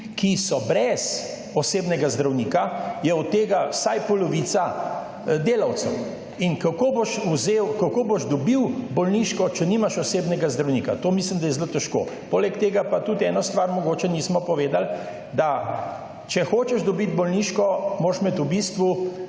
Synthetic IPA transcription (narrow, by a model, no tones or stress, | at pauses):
kisɔbɾɛz | ɔseːbnɛɡazd̪ɾawniːkajɛɔt̪ːeːɡasajpɔlɔʋiːt̪sa | d̪eːlɐwt̪sɛw | inkakoboʃuzewkakoboʒd̪ɔbiwbɔlniʃkɔt͡ʃɛniːmaʃɔseːbnɛɡazd̪ɾawnikat̪oːmislimd̪ajɛzlot̪ɛʃko̰poːlɛkt̪eːɡapat̪ut̪ɛːnɔst̪ʋaɾmɔɡoːt͡ʃɛniːsmɔpɔʋeːd̪al | d̪a | t͡ʃɛxoːt͡ʃɛʒd̪ɔbit̪bɔlniʃkɔmoʃmɛt̪ubist̪ʋu